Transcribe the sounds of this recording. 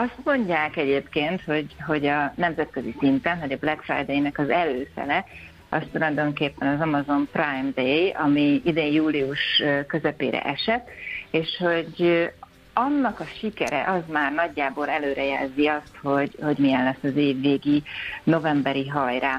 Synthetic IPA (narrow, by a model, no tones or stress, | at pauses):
ɒst̪mo̞ɲɟaːkɛɟeːpkeːnt̪ho̞ɟɦo̞ɟɒnɛmzɛt̪̚køzisint̪ɛnvɒɟɒblɛkfra̰jd̪ejnɛkɒzɛløːfɛ̰lɛ | ɒst̪ulɒjd̪o̞ŋkeːpːɛnɒzɒmɒzo̞mprajmd̪ejɒmiid̪eːjjuːliuʃkø̞zɛpḛːɾɛ̰ʔɛʃɛt̪ːeːʃho̞ɟ | ɒnːɒkɒʃikɛɾɛ̰ʔɒzmaːrnɒɟːaːbo̞lɛløːɾɛjɛlziɒst̪ho̞ɟho̞ɟmijɛnlɛsːɒzeːvːeːɡino̞vɛmbɛɾiɦɒjɾaː